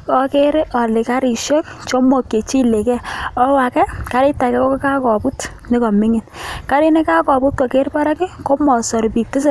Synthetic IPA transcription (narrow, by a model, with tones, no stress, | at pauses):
kɔ˦ke˦ɾɪ˦ʔɔ˨lɪ˨ka˦ɾi˨ʃɔ˦kt͡ʃɔ˦mɔ˨kːe˨t͡ʃi˦le˨kɛ˦ɔ˦wa˨kɛ˦ka˦ɾɪ˦ta˨kɛ˦ko˦ko˦ka˦kɔ˨pu˦t | nɪ˦kɔ˨mɪ˦ŋɪ˨nka˦ɾi˦nɪ˦ka˦kɔ˨pu˦t̚kɔ˨ke˦ɾpa˦ɾa˦kɪ˦ko˦mɔ˨sɔ˨ɾpi˨k̚tɪ˦sɪ˦˨